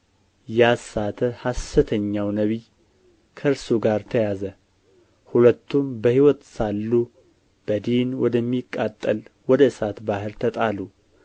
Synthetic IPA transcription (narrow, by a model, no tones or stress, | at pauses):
jasat̪ʰəhasːɨt̪ʰəɲːawnəβi | kʰəɨɾsuɡaɾt̪ʰəjazə | hulət̪ʰːumbəhiwɔt̪salːu | b̥əd̪inwɔd̪əmːikʼːat̪ʼːəlwɔd̪əɨsat̪bahɨɾt̪ʰət̪ʼalu